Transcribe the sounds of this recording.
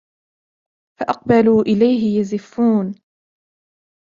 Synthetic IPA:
faʔɑq̚baluːʔɪlajɦɪjazɪfːuːn

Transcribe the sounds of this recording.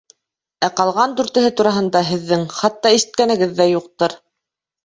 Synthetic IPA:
æqɑlˠʁɑnd̪ʉɾt̪ɘ̆ɦɘt̪uɾɑɦɤ̆nd̪ɑɦɘ̆ðːɘŋχɑt̪ːɑiʃɘ̆t̪̚kænɘ̆ɡɘðːæjuq̚t̪ɤɾ

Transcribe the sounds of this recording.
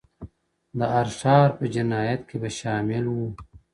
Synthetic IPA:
d̪əɐɾsaːɾpɐd͡ʒinaːjɐt̪kebɐʃaːmɪlwu

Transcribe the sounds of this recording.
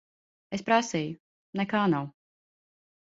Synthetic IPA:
espɾasiːju | nɛkaːnaw

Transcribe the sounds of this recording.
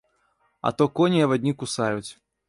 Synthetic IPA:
ɐ̰t̪ɔkɔnʲiɐvad̪ʲnʲikusajut͡sʲ

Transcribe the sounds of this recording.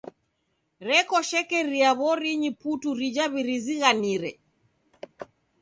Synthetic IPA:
ɾɛkɔʃɛkɛɾiaβɔɾiɲiputuɾid͡ʒaβiɾiziɣaniɾɛ

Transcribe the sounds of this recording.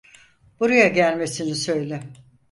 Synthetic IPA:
b̥uɾajaɟælʲme̞sinisø̞jlʲɪ

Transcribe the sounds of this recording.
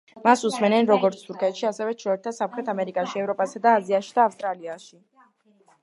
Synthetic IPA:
masusmɛnɛnɾɔɡɔɾt̪sʰt̪ʰuɾkʰʼɛt̪ʃiasɛvɛt͡ʃʰɾɔɛɾt̪ʰasamχɾɛt̪ʰamɛɾikʼaʃiɛvɾɔpʼasad̪aːziaʃi̥d̪aːfst̪ʼɾaliaʃi

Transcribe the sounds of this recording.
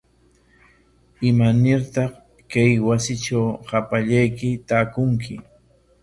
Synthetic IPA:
ɪmanɪɾt̪ɑχ | kajwasɪt͡ʃawhapaʎajkɪt̪aːkʊŋkʰɪ

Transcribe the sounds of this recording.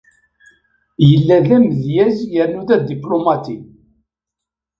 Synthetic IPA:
jəlːæðæmðjæzjəɾnuðæd̪iplomɑt̪i

